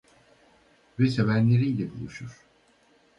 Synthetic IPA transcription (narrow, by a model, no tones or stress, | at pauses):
vɛse̞vænlʲe̞ɾiːlʲɛbulˠuʃuɾ̥